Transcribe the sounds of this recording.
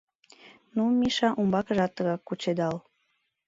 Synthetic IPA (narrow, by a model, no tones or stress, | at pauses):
numʲiʃɑʔumbɑkəʒɑt̪ːəɣɑkːut͡ɕed̪ɑl